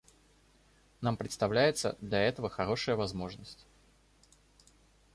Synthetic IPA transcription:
nampɾʲɪt̪st̪ɐvlʲæjɪt̪sə̰d̪lʲɐɛt̪əvəxɐɾo̞ʂɨjəvɐzmo̞ʐnəsʲtʲ

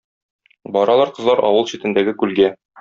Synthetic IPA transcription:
bɒɾɑlˠɑɾqɤ̆zlˠɑɾʔɒ̰wɤlˠɕit̪ɘ̆nd̪æɡɘkʉlɡæ

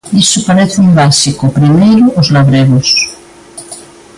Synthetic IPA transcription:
isopaɾeθeujβasikopɾimejɾoʔozlaβɾeɣos

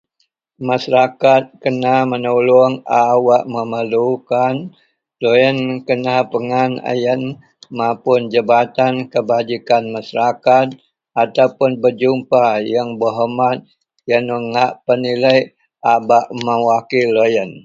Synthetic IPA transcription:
masaɾakat̪̚kənamənulɔŋawaʔməməlukan | lojənkənapəŋana̰jən | mapʊnd͡ʒəbat̪ankəbad͡ʒikanmasaɾakat̪̚ | at̪awpʊnbərd͡ʒumpajaŋbəɦəmat̪̚ | janəŋaʔpəniləj | ʔabaʔməwakilːojən

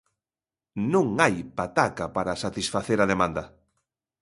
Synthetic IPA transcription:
nũŋajpat̪akapaɾasat̪isfaθeɾaðemãnd̪ɐ

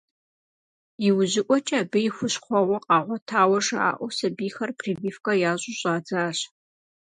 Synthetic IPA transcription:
iwʊʑɪʔʷɔt͡ʃʼɐːbɨjɪxʷʊɕχʷɔʁʷɔqʼɑːʁʷɔtʰaːwɐʐa̰ːʔʷɔsɐbiːxɐrpʰriːbiːfkʼɐjaːʑʼʊɕʼaːd͡zaːɕ

